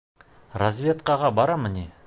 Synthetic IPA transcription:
razvʲjet̪̚qɑʁɑbɑɾɑmɪnʲe

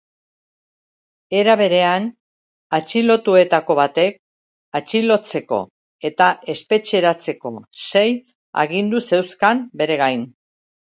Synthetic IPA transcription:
e̞ɾaβe̞ɾe̞an | at͡ʃilo̞t̪ue̞t̪ako̞βat̪e̞k̚ | at͡ʃilo̞t͡se̞ko̞̰ | e̞t̪ae̞spe̞t͡ʃe̞ɾat͡se̞ko̞se̞j | a̰ɣind̪use̞wskambe̞ɾe̞ɣ̞ajn

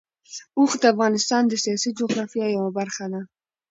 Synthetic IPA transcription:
uxd̪əafɣɑnɪst̪ɑnd̪əsijɑsid͡ʒʊɣɾɑfjɑjawabaɾxad̪a

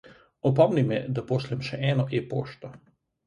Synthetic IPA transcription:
ɔpɔmnimɛd̪apoːslɛmʃɛʔɛːnɔʔepoːʃt̪ɔ

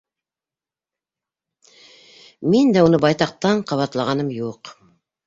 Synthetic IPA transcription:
mind̪æunɤbɑjt̪ɑq̚t̪ɑɴqʰɑβɑt̪lˠɑʁɑnɤmjuq

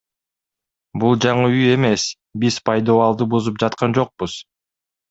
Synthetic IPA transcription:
bulˠd͡ʒɑɴɯyje̞me̞s | bizpʰɑjd̪oːɑlˠd̪ɯbuzup̚d͡ʒɑt̪qɑnd͡ʒo̞q̚buz̥

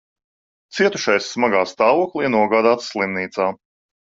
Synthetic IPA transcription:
t̪siɛt̪uʃajsːmaɡaːst̪aːvuɔklˠiːnuɔɡaːd̪aːt̪sslˠimniːt̪saː

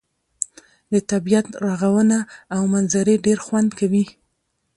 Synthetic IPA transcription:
d̪ət̪abijat̪ɾaɣawənaːwmanzaɾeɖeɾxwand̪kawi

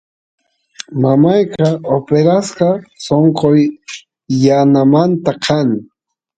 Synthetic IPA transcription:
mamajqɑopeɾasqɑsoɴqoj | janamant̪akʰaŋ

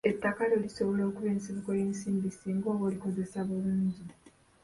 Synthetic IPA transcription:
e̞tːakalo̞liso̞βo̞lo̞ːkuβe̞ːnsiβuko̞je̞ːnsiːmbisiːŋɡo̞ːβoliko̞ze̞saβuluːɲɟi

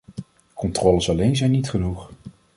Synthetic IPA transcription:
kɔntrɔːləsɑlejnzɛjnitχənuχ

